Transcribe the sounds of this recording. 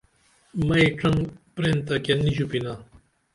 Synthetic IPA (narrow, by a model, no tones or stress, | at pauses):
mɐeʈ͡ʂʰɐŋpɾent̪akenːiɕupina